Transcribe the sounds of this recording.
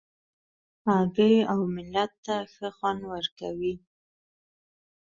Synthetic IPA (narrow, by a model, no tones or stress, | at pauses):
ɑɡəɽiawmɪlːat̪ːaxəxwand̪wəɾkawi